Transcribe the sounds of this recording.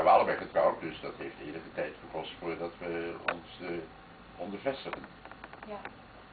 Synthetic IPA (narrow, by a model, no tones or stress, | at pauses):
ʋəɑlˠəbɛjχətrɔwt̚dɵsdɑtɦejftɪ̰ːɹləχətɛjtχəkɔstfʊːɹdɑtʋəɔ̰ns | ɔndəɹvɛstəχən